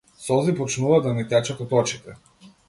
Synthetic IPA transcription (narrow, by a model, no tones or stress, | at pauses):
sɔzipɔt͡ʃnuvad̪anit̪ɛt͡ʃat̪ɔt̪ɔt͡ʃit̪ɛ